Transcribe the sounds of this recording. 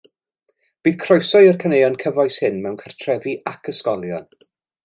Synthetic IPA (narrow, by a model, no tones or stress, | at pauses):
b̥iːð̥kʰrɔjsɔjərkʰənejɔnkʰəvɔjshɪnmɛwnkʰartʰrɛviʔakʰəskɔlˠjɔn